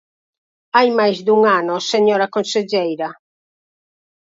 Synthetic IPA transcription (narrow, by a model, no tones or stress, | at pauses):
ajmajzd̪uŋanoseɲɔːɾakonsed͡ʒɛjɾa